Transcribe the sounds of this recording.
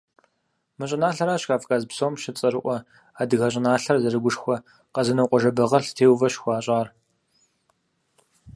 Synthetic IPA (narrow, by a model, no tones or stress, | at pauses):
mɨɕʼɪnaːɬɐɾaːɕxaːfkʼaːzpsoːmʃɪt͡sʼɐɾɨʔʷɔ | aːdɨɣɐɕ̬ʼɪnaːɬɐrzɐrɨɡʷʊʂxʷɔ | qɐzɨnɐwqʷʼɔʒɐbɐʁɐɬtʰeːwvɐɕxʷɑːɕʼaːr